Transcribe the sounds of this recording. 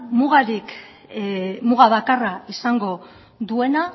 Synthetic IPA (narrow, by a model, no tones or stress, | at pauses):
muɣaɾik | muɣaβakaraisaŋɡo̞ | ðue̞na